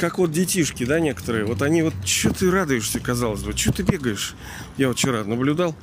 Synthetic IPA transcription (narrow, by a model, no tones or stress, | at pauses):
kakvo̞t̪̚dʲɪtʲiʂkʲɪd̪anʲe̞kə̥t̪əɾɨjəvo̞t̪ɐnʲivo̞t̪̚t͡ɕːot̪ɨɾad̪ʊjɪʂsʲəkɐzalˠəzʲbɨt͡ɕot̪ɨbʲe̞ɡəjɪʂ | jaot̪t͡ɕɪɾanəblʲʊd̪alˠ